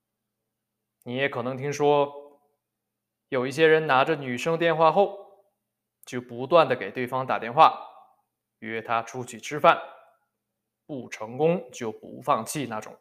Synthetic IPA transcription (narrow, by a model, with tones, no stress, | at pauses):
ni˧˥jɛ˧˥kʰɤ˨˩nɤ˧˥ŋt̪ʰi˥ŋʂwɔ˥ | jo˨˩ʊi˥˩ɕ̬jɛ˥ɻə˧˥nna˧˥ʈ͡ʂə˧ny˨˩ʂɤ˥ŋt̪jɛ˥˧nxwa˥˧xo˥˩ʊ | t͡ɕjo˥˩ʊpu˧˥t̪wa˥˩nd̪ə˩ke˨˩ɪt̪we˥˩ɪfɑ˥ŋt̪a̰˨˩t̪jɛ˥˧nxwa˥˩ | y˧˩ɛ˥˩t̪ʰa˥ʈ͡ʂʰu˥t͡ɕʰy˨˩ʈ͡ʂʰɻ̩˥fa˥˩n | pu˥˩ʈ͡ʂʰɤ˧˥ŋkʊ˥ŋt͡ɕjo˥˩ʊpṵ˧˥fɑ˥˧ŋt͡ɕʰi˥˧na˥˩ʈ͡ʂʊ̰˨˩˦ŋ